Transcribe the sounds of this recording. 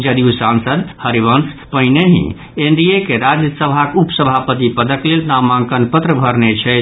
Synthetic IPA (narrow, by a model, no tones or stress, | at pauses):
d͡ʒəd̪iusansəd̪həɾiʋənspəɦineɦḭ̃ | eɳɖijekeɾad͡ʒjəsəbʱakeupsəbʱapət̪ipəd̪əklelnamãŋkənpət̪ɾəbʱəɾnet͡ʃʰɛ